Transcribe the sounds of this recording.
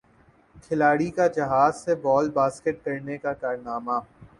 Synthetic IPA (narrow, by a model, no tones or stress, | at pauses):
kʰɪlaːɽikad͡ʒɐɦaːzsebɔːlbaːskeʈ̚kɐɾnekakaːɾnaːmaː